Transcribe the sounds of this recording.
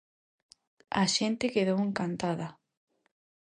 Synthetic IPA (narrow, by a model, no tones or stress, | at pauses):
aʃent̪ekeð̞oweŋkant̪aðɐ